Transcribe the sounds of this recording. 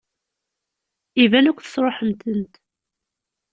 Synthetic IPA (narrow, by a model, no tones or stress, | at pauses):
ivænækʷːθə̥sˤɾˤoħəmt̪ənt̪